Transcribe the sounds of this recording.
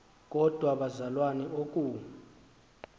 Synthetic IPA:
k̬ʼɔd̥ʱwaɓazalwanɛʔok̬ʼu

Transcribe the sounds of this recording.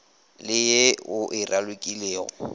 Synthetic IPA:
lɪjeʊʔɪrʔalʊkʼileːɣɔ

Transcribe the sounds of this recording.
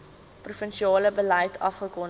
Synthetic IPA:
prufənʃiɑːləbələjtʰɐfχəkɔn

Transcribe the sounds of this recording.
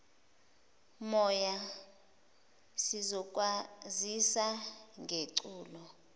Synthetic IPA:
mɔja | sizɔk̬ʼwazisaŋʱeǀuːlɔ

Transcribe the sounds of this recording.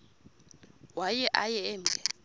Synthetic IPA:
wajɛʔajɛːm̩ɡʱʼɛ

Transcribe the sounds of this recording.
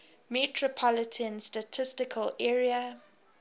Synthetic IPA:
mɛtʰɹɔpʰɔlɪtʰə̃nstatʰɪstɪkʰəlɛːɹiə

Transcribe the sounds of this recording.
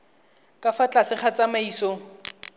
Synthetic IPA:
kʼafat͡ɬasɪχat͡samaiːsɔ

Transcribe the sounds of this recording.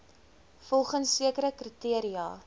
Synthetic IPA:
fɔlˠχənsːiəkəɾəkritiəɾiɑː

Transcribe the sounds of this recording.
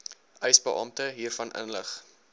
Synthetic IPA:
ʔœɥsbəʔɑmtəɦiːrfɐnʔə̰nləχ

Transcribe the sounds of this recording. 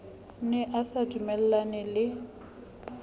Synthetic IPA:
nɛʔasadʼumɛl̩lanɛlɪ

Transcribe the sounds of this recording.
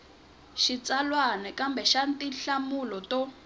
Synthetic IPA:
ʃit͡salwanɛkambɛʃantiɬamulɔtɔ

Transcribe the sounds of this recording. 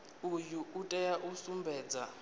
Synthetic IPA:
ujuʔːtʼɛjaʔusumbʱɛːd͡za

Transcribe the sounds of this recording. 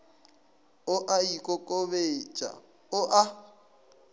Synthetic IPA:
ʊʔaikʼɔkʼoβet͡ʃʼa̰ | ʊʔa

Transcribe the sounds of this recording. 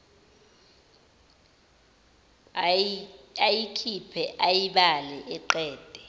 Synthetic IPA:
ajikʰipʰɛʔajiɓalɛʔɛǃɛːd̥ʱɛ

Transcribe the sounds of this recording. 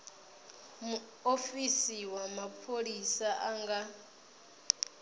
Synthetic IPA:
mu | ofisiwamapʰoɺisaʔaŋɡa

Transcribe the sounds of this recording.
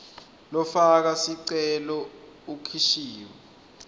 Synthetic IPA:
lɔfak̬asiǀɛlɔukʰiʃiːwa

